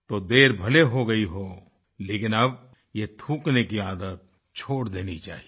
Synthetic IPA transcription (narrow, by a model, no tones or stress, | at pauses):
t̪od̪eːɾbʱɐleɦoɡɐiɦoː | leːkɪnɐb̚ | jet̪ʰũːknekiaːd̪ət̪̚ | t͡ʃʰoːɽd̪eːnit͡ʃa̰ːɦie